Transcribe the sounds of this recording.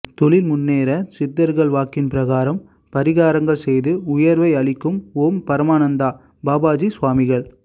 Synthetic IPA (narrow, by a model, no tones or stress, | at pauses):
t̪ɔɭɪlmʊnːeːɾɐsɪd̪ːɐɾɣɐɭʋaːkːɪnpɪɾɐɣaːɾɐm | pɐɾɪɣaːɾɐŋɡɐɭsɛjðɯʊjɐɾʋɐɪɐɭɪkːɯmoːmpɐɾɐmaːnɐnd̪aː | baːbaːd͡ʒisʋaːmɪɣɐɭ